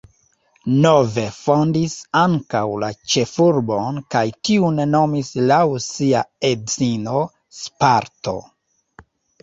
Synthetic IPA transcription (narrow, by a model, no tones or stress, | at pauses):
no̞ve̞fo̞ndisaŋkawlat͡ʃe̞fuɾbo̞nkajtiunno̞mislawsiaezino̞ | spaɾto̞̰